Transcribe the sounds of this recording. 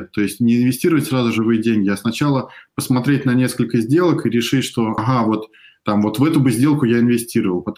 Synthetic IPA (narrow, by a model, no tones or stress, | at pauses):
t̪o̞ɪsʲtʲnʲɪɪnvʲɪsʲtʲiɾəvətʲsrazʊʐɨvɨjədʲenʲɡʲɪɐsnɐt͡ɕalˠəpəsmɐt̪ɾʲet̚ʲnɐnʲe̞skəlʲkəzʲdʲe̞lˠəkiɾʲɪʂɨtʲʂt̪o̞ɐɦavo̞t̪ː | amvo̞t̪vɛt̪ʊbɨzʲdʲe̞lˠkʊjaɪnvʲɪsʲtʲiɾəvəlˠpɐt̪